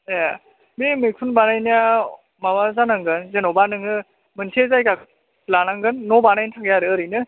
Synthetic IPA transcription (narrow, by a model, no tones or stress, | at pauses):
ja | memɯjkpʰunbanajnia | mawazanaŋɡɯnzenɔbanɯŋɯ | mɯntʰezajkakʰ | lanaŋɡɯnːɔbanajntʰakʰjaɾɯːɾɯnɯ